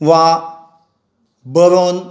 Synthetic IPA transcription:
wa | bəɾon

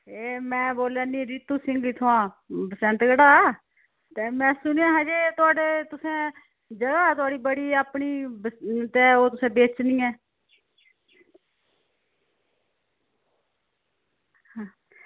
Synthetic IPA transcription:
eːmɛ̃ːboːljaːnĩːɾɪt̪uːsɪ̃ŋɡiːt̪ʰʊãː | bəsɛ̃nt̪ɡəɽaː | t̪eːmɛ̃ːsʊnjãːɦãːd͡ʒeːt̪ʊaːɖeːt̪ʊsẽː | d͡ʒəɡaːt̪ʊaːɽiːbəɽiːaːpɳiː | t̪eːoːt̪ʊsẽːbeːt͡ʃnĩːɛː | hãː

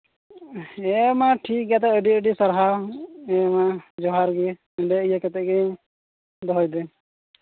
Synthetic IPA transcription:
ɛmaʈʰik̚ɡat̪ɛəɖiəɖisaɾɦaɛmad͡ʒɔɦaɾɡi | ɛɖɛijakɛt̪ɛʔɡɛ | d̪ɔɦɔjd̪ɛ

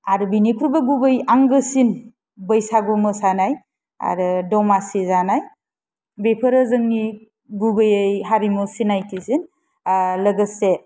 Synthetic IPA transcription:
aɾɯbinikʰuɾbaɡubɯjaŋɡɯsin | bəjsaɡumɯsanaj | a̰ɾɯdɔmasizanaj | bepʰɯɾɯzɯŋni | ɡubɯjɯjɦaɾimɔsinajtʰisin | ləɡəse

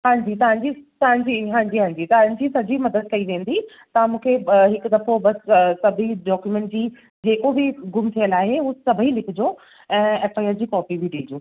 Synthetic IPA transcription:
ɦãːɲd͡ʑit̪ɐʋ̤ãɲ̆d͡ʑit̪ɐʋãɲ̆d͡ʑiɦãːɲd͡ʑiɦãːɲd͡ʑit̪ɐʋãɲ̆d͡ʑiːsɐd͡ʑimɐd̪əd̪̚kɐiʋẽːn̆d̪i | t̪ɐãmũːkʰeɦɪkʊd̪ɐfobɐssɐbʱiɖɔːkjumẽːɳʈ̚d͡ʑiː | d͡ʑeːkobɪɡʊmt̪ʰijəlaːɦeuːsɐbʱilɪkʰʊd͡ʑoː | ɛ̃ːeːfaːjəɾd͡ʑiːkɔːpibʱɪɖĩːd͡ʑoː

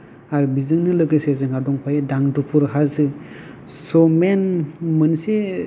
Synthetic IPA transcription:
aɾbizɯŋnɯlɯkɯsezɯŋadɔŋpʰajedaŋdupʰuɾɦazɯ | sɔmenmɯnse

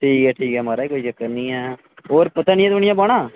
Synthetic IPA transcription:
ʈʰiːkɛːʈʰiːkɦɛmaːɾaikoːid͡ʒəkːəɾnĩːɦɛː | oːɾpət̪aːnɪ̃ɛ̃t̪əɳ̃ɪjãbaːɽ̃aː

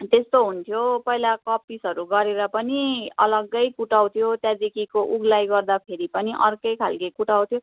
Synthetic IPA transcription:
t̪est̪oɦunt̪ʰjopʌilakʌpisɦʌɾuɡʌɾeɾʌpʌniʌlʌɡːʌjkuʈaw̃t̪ʰjot̪jad̪ikikoʔuɡlajɡʌrd̪apʰeɾipʌniʔʌ̰rkʌjkʰa̰lkikuʈaw̃t̪ʰjo

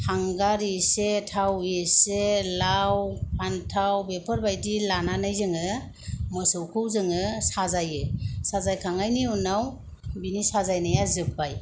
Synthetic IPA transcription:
haŋɡaɾisetʰaweselawpʰantʰawbepʰəɾbajdilananajzɯŋɯ | mɔsɯwkʰɯwzɯŋɯsazajɯsazajkʰaŋajniunaw | binisazajnajazɯp̚ːaj

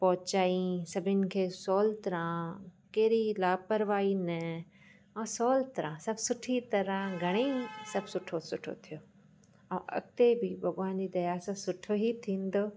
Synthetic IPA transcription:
pɔɦt͡ɕaːĩsɐbʱɪnɪ̆kʰeːsɔːlt̪ɐɾãkeːɾilaːpɐɾʋaːinɐ | ɔ̃ːsɔːlt̪ɐɾãsɐbsʊʈʰit̪ɐɾãɡʱɐɽ̃esɐbʱsʊʈʰosʊʈʰo̰t̪ʰijoː | ãʔɐ̰ɡ̚t̪ebʱibʱɐɡʋaːnd͡ʑid̪ɐjaːsãsʊʈʰoɦit̪ʰĩːnd̪oː

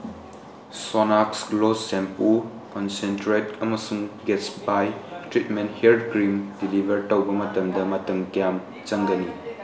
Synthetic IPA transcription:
sonaksklosempu | kɔnsentɾet̚ɐmɐsuŋɡetsbajtɾitmentheɾdkɾimdilibʱɐɾtɐwbɐmɐtɐmdɐmɐtɐŋkijam | t͡ʃɐŋɡɐni

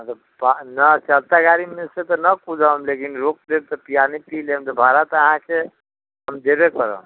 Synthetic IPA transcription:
t̪ə | banət͡ʃəlt̪aɡaɾimeset̪ɔnəkud͡ʒamlekinɾok̚d̪ebt̪ɔpijanipilemt̪ɔbʱaɾat̪əɦãke | ɦəmd̪ebekəɾə̰̃

